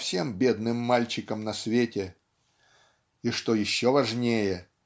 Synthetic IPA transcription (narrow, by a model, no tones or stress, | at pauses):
fsʲe̞mbʲed̪nɨmːalʲt͡ɕɪkəmnɐsvʲetʲɪ | iʂt̪ojɪɕːovɐʐnʲejə